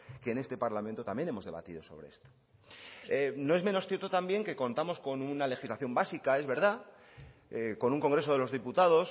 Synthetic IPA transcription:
ke̞ːne̞st̪e̞paɾlamẽnt̪o̞t̪ambje̞ne̞mo̞zðe̞β̞a̰t̪iðo̞so̞̰β̞ɾe̞̰est̪o̥ | eno̞e̞zme̞no̞sθjeɾt̪ot̪ambje̞ŋke̞ko̞nt̪amo̞sko̞nunale̞xizlaθjo̞mbasikae̞zβe̞ɾða | eko̞nuŋko̞ŋɡɾes̬o̞ð̞e̞lo̞zð̞iput̪aðo̞s

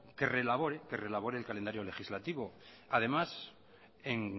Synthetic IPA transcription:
ke̞relaβoɾeke̞re̞laβ̞o̞ɾeːlkalend̪aɾjo̞le̞xizlat̪iβo̞ | að̞e̞mas | eŋ

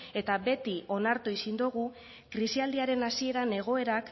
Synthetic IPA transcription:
e̞t̪abe̞t̪io̞naɾt̪uisind̪uɣ̞u | kɾisiald̪iaɾe̞nasie̞ɾane̞ɣ̞o̞e̞ɾak

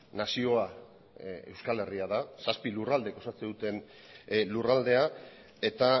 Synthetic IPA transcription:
nasio̞a | e̞̰wskale̞riaðasaspilurald̪e̞ɡo̞sat͡sed̪ut̪e̞n | lurald̪e̞a | e̞t̪a

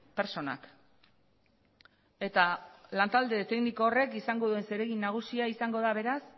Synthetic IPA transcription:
pe̞ɾt͡ʃo̞na̰k | e̞t̪alant̪ald̪e̞t̪e̞ɡniko̞ːre̞kisaŋɡo̞ðue̞nseɾe̞ɣinːaɣ̞usiaisaŋɡo̞ð̞aβe̞ɾas

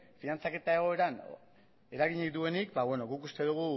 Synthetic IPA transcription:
finant͡sake̞t̪ae̞ɣ̞o̞e̞ɾan | e̞ɾaɣiɲit̪ue̞nikbaβwe̞no̞ɣukust̪e̞ðuɣ̞u

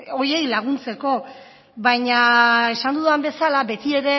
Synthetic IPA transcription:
o̞ɾjie̞jlaɣ̞unt͡se̞ko̞ | βajɲae̞sand̪uðuambe̞salabe̞t̪ie̞ɾe̞

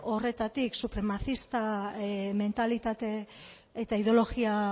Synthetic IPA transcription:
o̞re̞t̪at̪iksupɾe̞maθist̪ame̞nt̪alit̪at̪e̞ː | t̪aiðo̞lo̞ɣia

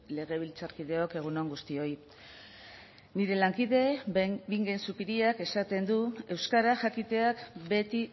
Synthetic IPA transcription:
le̞ɣ̞e̞β̞ilt͡saɾkiðe̞o̞ke̞ɣ̞uno̞ŋɡust̪io̞j | niɾe̞laŋkiðe̞biŋɡe̞nsupiɾiake̞sat̪e̞nd̪ue̞wskaɾaʝakit̪e̞akbe̞t̪i

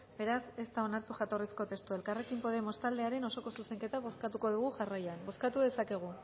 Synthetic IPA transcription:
be̞ɾase̞st̪ao̞naɾt̪uʝat̪o̞risko̞t̪e̞st̪ue̞lkare̞kimpo̞ðemo̞st̪ald̪e̞aɾe̞no̞so̞ko̞suse̞ŋke̞t̪aβ̞o̞skat̪uko̞ð̞uɣ̞uʝarajanbo̞skat̪uðe̞sake̞ɣ̞u

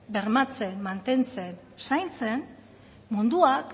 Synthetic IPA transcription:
be̞ɾmat͡se̞nmant̪e̞nt͡se̞n | sajnt͡se̞n | mund̪uak

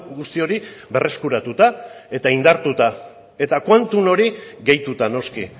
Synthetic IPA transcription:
ɡust̪io̞ɾiβe̞rʔe̞skuɾat̪ut̪ae̞t̪aind̪aɾt̪ut̪a | e̞t̪akwant̪uno̞ɾiɣe̞jt̪ut̪ano̞ski

